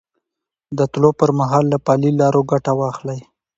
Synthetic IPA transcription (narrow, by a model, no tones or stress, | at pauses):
d̪ət̪lopəɾmaɦɑlːapɑlilɑɾoɡaʈawɑxlaj